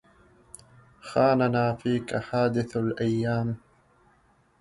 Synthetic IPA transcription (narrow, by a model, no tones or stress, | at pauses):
xaːnanaːfiːkaħaːd̪ɪθalʔajːaːm